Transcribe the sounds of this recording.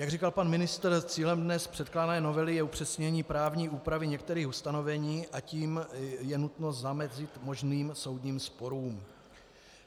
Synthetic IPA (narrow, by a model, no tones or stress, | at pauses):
jaɡrikalpanmɪnɪst̪ɾt͡siːlɛmdnɛspr̥ɛt̪klaːnɛːno̞vɛlɪjɛupr̝̥ɛsɲɛɲiːpɾaːvɲiːuːpɾavɪɲɛkt̪ɛɾiːxust̪ano̞vɛɲiːʔaciːmjɛnut̪no̞zamɛzɪt̪mo̞ʒniːmso̞wd̪ɲiːmspo̞ɾuːm